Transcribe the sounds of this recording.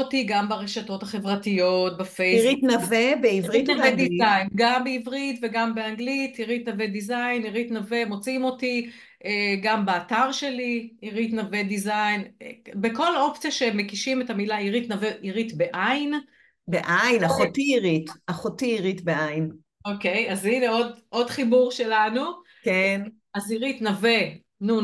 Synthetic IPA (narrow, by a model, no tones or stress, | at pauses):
otiɡambaʁeʃato̞thaχe̞vʁatijo̞t̚bafejiʁit̪navebeivʁit̪navedizajnɡambeivʁitveɡambeaŋɡlitiʁit̪naved̪izajniʁitnavemo̞t͡simo̞ti | eɡambeataʁʃe̞liiʁit̪navedizajnbeko̞lo̞pt͡sjaʃemekiʃime̞tamilaiʁit̪naveʔiʁit̪beʔajn | beʔajnaχotiiʁitaχotiiʁit̪beʔajn | oke̞jazineo̞dʔo̞dχibuʁʃe̞lanu | ken | aziʁit̪nave | nu